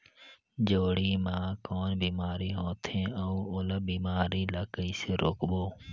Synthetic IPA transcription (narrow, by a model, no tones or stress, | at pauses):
d͡ʒoːɽiːmãːkoːnbiːmaːɾiːɦoːt̪ʰẽːəuːoːləbiːmaːɾiːləkəiːseːɾoːkboː